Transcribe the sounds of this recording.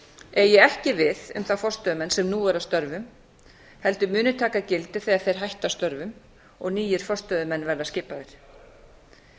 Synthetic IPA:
ɛɾjɛɛhcɪvɪðʏ̰mθafɔrst̪œðʏmɛnsɛmnuːɛɾast̪œɾvʏm | hɛlt̪ʏmʏːnʏt̪ʰaːkacɪlt̪ɪ̥θeaðθejɾ̥ɦajht̪ast̪œɾvʏm | ɔ̰ɣniːjɪɾ̥fɔ̥st̪œðʏmɛnːvɛɾðascɪːpaðɪɾ̥

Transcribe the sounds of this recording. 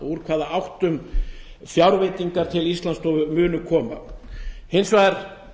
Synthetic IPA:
uɾ̥kʰvaːðaawht̪ʏm | fjawɾvejt̪iŋkaɾ̥t̪ʰɪlist̪lanst̪ɔvʏmʏːnʏkʰɔːma̰ | hejnsvaɛɾ

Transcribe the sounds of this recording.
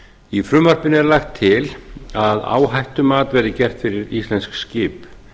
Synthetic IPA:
ifɾʏmar̥pɪnɛɾlaxt̪ʰːɪlaða̰ːwɦajht̪ʏmaːt̪vɛɾðɪcɛr̥t̪fɪɾɪɾist̪lɛnskscɪːp

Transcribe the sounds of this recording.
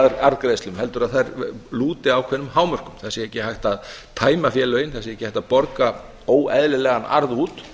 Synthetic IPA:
ðɾaɾðkɾejst̪lʏmhɛl̪t̪ʏɾaðθajɾluːt̪ɪawkʰvɛnʏmhaːwmœr̥kʏmθasjɪɛhcːɪhajht̪að | t̪ʰaːjmafjɛːlœɥjɪnθasɪɛhcɪhajht̪apɔɾka | oːwɛðlɪlɛːɣana̰ɾðuːt̪

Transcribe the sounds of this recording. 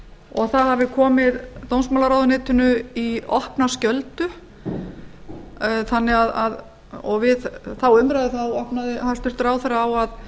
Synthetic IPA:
ɔɣθahavɪkʰɔːmɪðt̪ownsmawlaɾaːwðʏnɪːt̪ʏnʏiɔhpnascœlt̪ʏ | θanːɪɣaðað | ɔɣvɪðθawʏmɾajðɪθawɔhpnaðɪhast̪ʏr̥t̪ɾaːwθɛraːwað

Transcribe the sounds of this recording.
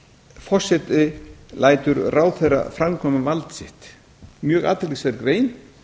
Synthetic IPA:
fɔr̥sɛt̪ɪlaːjt̪ʏɾraːwθejra̰fɾamkʰɔːmʏvalt̪sɪht̪ | mjœːɣa̰ːt̪ɪlisaɾkɾeːjn

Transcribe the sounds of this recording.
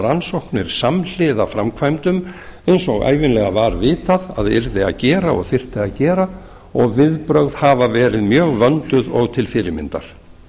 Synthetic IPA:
ɾansowhknɪɾ̥saml̥ɪðafɾamkʰvajmt̪ʏmejnsɔɣa̰ːjvɪnlɛɣavaɾvɪːt̪aða̰ðɛɾðɪaðcɛːɾaɔ̰ɣθɪr̥t̪ɪaðcɛːɾa | ɔɣvɪðpɾœɣð̥haːvavɛːɾɪðmjœːɣvœnt̪ʏðɔɣt̪ʰɪlfɪɾɪmɪ̰nt̪a̰ɾ̥

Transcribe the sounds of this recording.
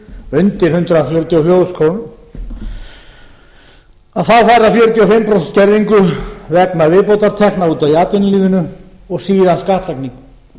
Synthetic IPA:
ʏnt̪ɪɾ̥hʏnt̪ɾafjœːɾʏt̪ʰjiɔfjoːwskʰon | aðθawfaːjɾafjœːɾʏt̪ʰjiɔfɪmːpɾɔsɛnt̪̚cɛɾðiŋkʏvɛknavɪːpowt̪aɾt̪ʰɛhknauːt̪aðiaːt̪vɪnʏliːvɪnʏ | ɔɣsiːðanskaht̪lajkniŋk

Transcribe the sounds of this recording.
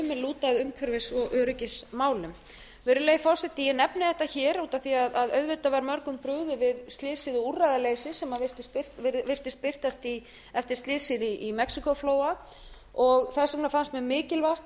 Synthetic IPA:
ʏmːɛluːt̪aðʏmkʰœɾvɪsɔɣʔœːɾʏcɪsmaːwlʏm | vɛːɾʏleːjfɔsɛt̪ːɪjɛnɛpnɪðɛht̪açɛːɾuːt̪aθiaðaðœɥðvɪt̪avaɾmœɾkʏmpɾʏɣðʏvɪðst̪lɪːsɪðɔurːajðaleːjsɪsɛmavɪr̥t̪ɪ̥spɪr̥t̪ɪvɪr̥t̪ɪs̚pɪr̥t̪ast̪i | ɛft̪ɪ̥ɾ̥st̪ɪːsɪðiʔːmɛksikɔfloːwa | ɔɣθɛsɪknafanst̪mɛðmɪːcɪlvaht̪

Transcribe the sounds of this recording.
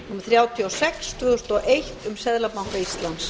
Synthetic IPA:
numaθɾjaːwt̪ʰiɔsɛkst̪ʰvɪðʏst̪ɔʔejht̪ʏmsɛðlapawŋkaist̪lans

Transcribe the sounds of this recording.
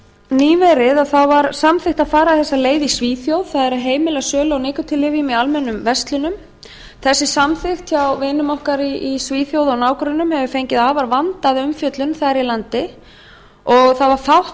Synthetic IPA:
niːvɛɾɪðaθawvaɾsamθɪxht̪aðfaːɾaθɛsːaleːjðisviːθjowð̥θaðɛɾɪɾɦeːjmɪlɛɣsœːlawnɪːkʏt̪ʰɪlːɪvɪmialmɛnːʏmvɛst̪lʏnʏm | θɛsːɪsamθɪxt̪çawvɪːnʏmɔhkaɾiisviːθjowðɔɣnaːwkɾʏnʏmhɛvʏfejɲcɪðaːvaɾvant̪aðʏmfjœt̪lʏnθaɾilant̪ɪ | ɔɣθavaɾ̥fawht̪

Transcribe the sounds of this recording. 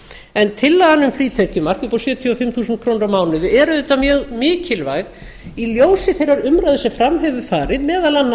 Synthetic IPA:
ɛnt̪ʰɪlːaðanʏmfɾiːt̪ʰɛhcɪmar̥kʏpɔsjœt̪ʰjiɔfɪmːθuːsʏnt̪̚kʰɾownɾamaːwnɪðʏɛɾʏðθɛht̪ːamjœːɣmɪːcɪlvaːjɣ | iljoːwsɪθejraɾʏmɾajðʏsɛfɾamɦœvʏfaːɾɪðmɛːðalan

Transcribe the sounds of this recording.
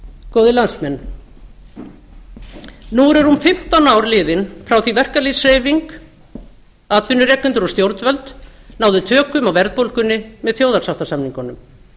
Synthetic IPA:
koːwðɪlansmɛn | nuɾɛɾumfɪm̥t̪anawɾlɪːðɪnfɾawθivɛr̥kalisɾeːjviŋk | aːt̪vɪnʏɾɛːk̪ʏnt̪ɪɾɔst̪jowɾt̪vœlt̪naːwðʏt̪ʰœːkʏmawvɛɾð̚powlkʏnːɪmɛðθjoːwðarsawft̪asamniŋkɔnːʏm

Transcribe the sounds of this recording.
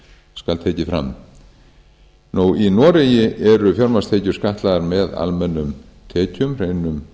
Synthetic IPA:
skalt̪ʰeːjcɪfɾa̰m | nuwinɔːɾɛjɪʔɛɾʏfjɔɾmast̪ʰeːcʏɾskaht̪laðaɾmɛða̰lmɛnːʏm | t̪ʰɛːcʏmr̥eːjnʏm

